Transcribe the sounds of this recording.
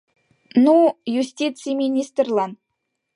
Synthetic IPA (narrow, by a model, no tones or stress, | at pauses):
nujusʲtʲit̪sɨjmʲinʲist̪rlˠɑn